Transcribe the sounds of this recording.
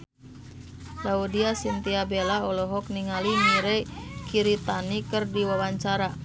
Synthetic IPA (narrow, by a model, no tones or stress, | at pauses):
laudiasint̪iabelaɔlɔɦɔk̚niŋaliŋiɾekiɾit̪anikɨrdiwawaɲt͡ʃaɾa